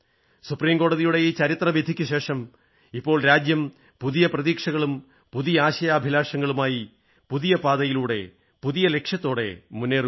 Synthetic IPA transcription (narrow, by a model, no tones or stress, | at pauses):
supriːmko̞ːɽɐðijuɽe̞jet͡ɕɐɾit̪rɐʋjɐd̪ʱikʲːuɕe̞ːʂɐm | ipːo̞ːɭɾaːd͡ʑjɐm | puðijɐprɐðiːkʂɐɣɐɭum | puðijɐaːɕɐjaːbʱilaːʂɐŋːɐɭumaːji | puðijɐpaːðɐjiluːɽe̞̰ | puðijɐle̞kʂjɐt̪ːo̞ːɽe̞̰munːeːr